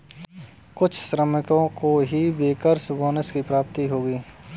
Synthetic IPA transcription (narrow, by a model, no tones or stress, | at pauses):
kʊt͡ʃʰsɾəmɪkõkoɦibeːkəɾsboːnəskipɾaːp̚t̪iɦoːɡiː